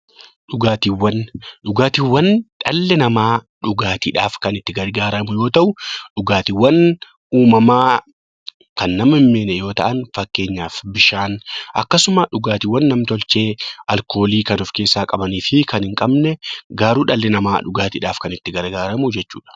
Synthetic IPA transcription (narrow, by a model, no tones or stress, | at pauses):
ᶑʊɡaːt̪iwːɐnᶑʊɡaːt̪iːwːɐnᶑɐlːɛnɐmaːᶑʊɡaːt̪ḭːᶑaːfkɐnɪt̪ːɪɡɐɾɡaːɾɐmʊjo̞ːt̪ɐʔʊᶑʊɡaːt̪ɪwːɐn | uːmɐmaː | kɐnːɐmɪmːeːnɛjo̞ːt̪ɐ̰ʔɐnfɐkːe̞ːɲːaːfbɪʃaːnʔɐkːɐsʊmɐᶑʊɡaːt̪ɪwːɐnːɐmt̪ɔlt͡ʃe̞ːɐlko̞ːliːkɐnʊfke̞ːsːaːkʼɐbɐniːfɪkʰɐnhɪŋkʼɐbnɛɡaːɾuːᶑɐlːɛnɐmaːᶑʊɡaːt̪iːᶑaːfkɐnɪt̪ːɪɡɐɾɡaːɾɐmʊd͡ʒɛt͡ʃːuːᶑɐ̥